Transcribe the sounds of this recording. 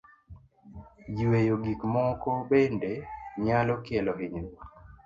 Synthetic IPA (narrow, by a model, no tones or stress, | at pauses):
jiwejoɡikmɔkɔbendeɲalɔkɪɛlɔɦiɲ